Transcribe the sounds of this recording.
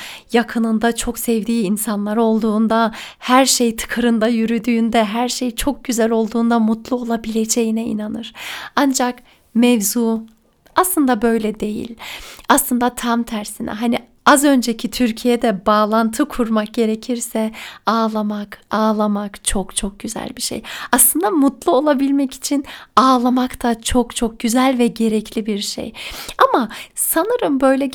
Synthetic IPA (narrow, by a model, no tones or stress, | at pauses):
jakʰɯnɯnd̪at͡ʃʰo̞ksɛvd̪iːinsanlˠaɾo̞lˠd̪uːnd̪ahæɾʃejt̪ʰɯ̥kʰɯɾɯnd̪ajyɾyd̪yːnd̪ɛɦæɾʃejt͡ʃʰo̞k̚ɟyzælʲo̞lˠd̪uːnd̪amut̪lˠuo̞lˠabilʲed͡ʒe̞jinɛḭnanɯɾ̥and͡ʒak | mɛvzuː | aslˠɯnd̪abø̞jlʲɛd̪e̞jḭlʲaslˠɯnd̪at̪ʰamt̪ʰæɾsinɛ̰ɦani | azø̞nd͡ʒecʰit̪ʰyɾcʰijɛd̪ɛbaːlˠant̪ʰɯkʰuɾmak̚ɟe̞ɾecʰiɾsɛaːlˠamakaːlˠamakt͡ʃʰo̞kt͡ʃʰok̚ɟyzæ̰lʲbiʃḛjaslˠɯnd̪amut̪lˠuo̞lˠabilʲmɛci̥t͡ʃʰinaːlˠamakt̪ʰat͡ʃʰo̞kt͡ʃʰo̞k̚ɟyzælʲvɛɟe̞ɾɛcʰlʲibiɾʃḛjamasanɯɾɯmbø̞jlʲɛ